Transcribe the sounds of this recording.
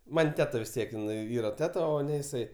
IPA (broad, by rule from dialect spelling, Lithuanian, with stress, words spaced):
ˈmɐnʲ ˈtʲæːtɐ ʋʲɪs ˈtʲiɛk ɪn ˈiːrɐ ˈtʲæːtɐ oː ˈnʲɛ jɪˈsɐɪ